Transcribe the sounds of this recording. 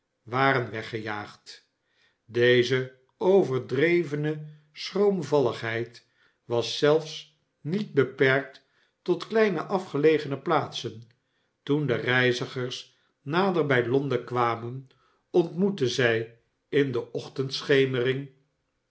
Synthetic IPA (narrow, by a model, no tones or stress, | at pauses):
ʋaːrənʋɛχəjaːχt | dejzə | owvəɹdrejvənə | srowmvɑləχɦɛjt | ʋɑsɛlˠfs | nid̚bəpɛɹk̚t | tɔtklɛjnə̰ʔɑfχəlejχənəplaːtsən | tundərɛjzəχəɹs | naːdəɹbɛjlɔndəkʋaːmən | ɔntmutəzɛj | ɪndəʔɔχtəntsχejmərɪŋ